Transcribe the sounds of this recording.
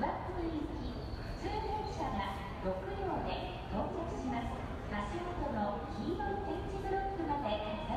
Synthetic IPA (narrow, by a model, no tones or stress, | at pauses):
ɾakːɯbɯɾʲikʲi | ɸɯ̟̥t͡sɨːnekɕaɡa | ɾo̞kɯ̟jʲo̞ːd̪e̞ | t̪õ̞ːŋzat͡sɨ̥ɕimasɨ̥ | haɕiɡot̪onoçʲinõt̪ẽ̞ɲt͡ɕibɯ̟ɾokːɯ̟mad̪e̞